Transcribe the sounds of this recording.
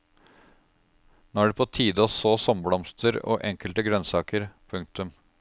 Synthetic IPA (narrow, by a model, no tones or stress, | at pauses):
noːæɖʉːpʰoːt̪ʰiːd̪əɔsoːsɔmblɔmst̪ʰəɾo̰ːʔɛŋkəlt̪əɡɾœnsɑːkəɾpʰʉŋk̚t̪ʉm